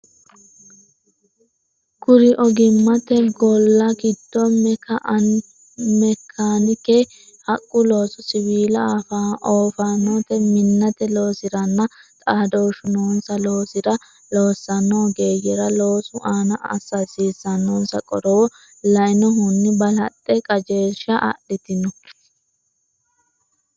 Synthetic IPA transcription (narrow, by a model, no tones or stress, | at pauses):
kʊɾɪʔɔɡɪmːɐt̪ɛɡɔlːɐɡɪd̪ːɔmɛkɐ | mɛkʰːaːnɪkɛ | hɐkʼːʊlo̞ːsɔsɪβiːlɐfaʔoːfanɔt̪ɛmɪnːɐt̪ɛlo̞ːsɪɾɐnːɐt̪ʼaːd̪oːʃʊnoːnsɐloːsɪɾɐ | lo̞ːsːɐnːoːɡe̞ːjɛɾɐlo̞ːsʊʔaːnɐɐ̰sɐsiːsːɐnːoːnsɐkʼɔɾɔwɔ | lɐɪnɔɦʊnːɪbɐlɐt̪ʼːɛkʼɐd͡ʒe̞ːʃɐʔɐ̰ɗɪt̪ɪnɔ